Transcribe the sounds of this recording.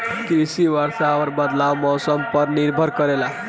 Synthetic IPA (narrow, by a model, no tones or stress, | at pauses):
kɾisiwaɾsaʋəɾbəd̪lawmɔsəmpəɾniɾbʱəɾkʌɾela